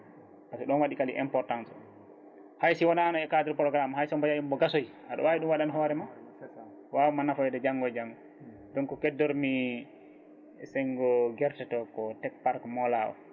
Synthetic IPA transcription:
pasɛɗɔnwaɗikalḭʔɛ̰mpɔɾtansɔ | hajsiwɔnanɔɛkadɾpɾɔɡɾamhajsɔmbad͡ʒajumbɔɡasoj | ʔaɗɔ̰wawiɗumwaɗanɦɔːɾɛma | wawumanːafɔɛɗɛd͡ʒaŋɡɔd͡ʒaŋɡɔ | dɔnkɔkɛdːɔɾmi | sɛŋɡɔɡɛɾtɛtɔkɔtɛk̚paɾkmɔlawɔ̰

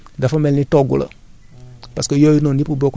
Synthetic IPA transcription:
dafamɛlnitɔɡṵlə̰ | paskəjojinõnipubɔkɔ

